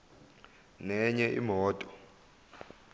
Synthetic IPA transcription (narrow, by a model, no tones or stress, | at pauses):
nɛɲɛʔḭmɔːtʼɔ